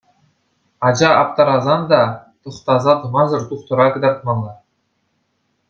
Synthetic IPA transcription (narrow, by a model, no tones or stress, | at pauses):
ɑd͡ʑɑɑp̚t̪ɑɾɑzɑnd̪ɑt̪ɤ̆χt̪ɑzɑt̪ɤ̆mɑzɤ̆rt̪uχt̪ɤ̆ɾɑkɤ̆d̪ɑrt̪̚mɑlˠːɑ